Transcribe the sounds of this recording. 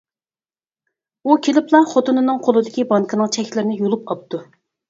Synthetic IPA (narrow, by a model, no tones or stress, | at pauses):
ukʲʰelɪplˠɑχot̪ɨnɨnɨŋqʰolˠɨd̪ɪkʲibɑŋkʰənɨŋt͡ʃʰɛkʲʰlɪɾɪnɪjolˠupɑp̚t̪u